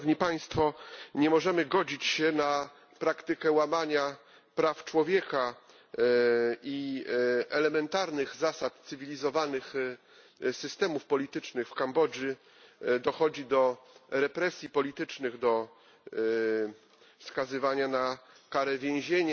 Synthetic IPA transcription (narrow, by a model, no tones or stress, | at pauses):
vɲipaj̃st̪fɔɲɛmɔʐɛmɘɡɔd͡ʑit͡ɕɕɛna | pɾakt̪ɘkɛwamaɲa | pɾaft͡ʂwɔvʲjɛka | i | ɛlɛmɛnt̪aɾnɘɣzasat̪t̪sɘvʲilʲizɔvanɘx | sɘst̪ɛmufpɔlʲit̪ɘt͡ʂnɘxfkambɔd͡ʐji | d̪ɔxɔd͡ʑid̪ɔɾɛpɾɛsʲjipɔlʲit̪ɘt͡ʂnɘɣd̪ɔ | fskazɘvaɲana | kaɾɛvʲjẽw̃ʑeɲa